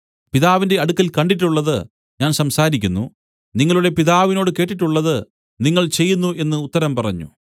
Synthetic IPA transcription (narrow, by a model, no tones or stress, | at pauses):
piðaːʋinde̞ɐɽukːɐlkɐɳɖiʈ̬ːuɭːɐðɨ | ɲaːnsɐmsaːɾikʲːunːṵ | niŋːɐɭuɽe̞piðaːʋino̞ːɽɨke̞ːʈːiʈːuɭːɐðɨ | niŋːɐɭt͡ɕe̞jːunːuʔe̞nːɨut̪ːɐɾɐmpɐrɐ̰ɲːṵ